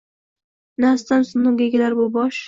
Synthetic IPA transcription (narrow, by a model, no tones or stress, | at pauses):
nast̪ansʊnːʊŋɡʲaɡʲalaɾbʊbɒʃ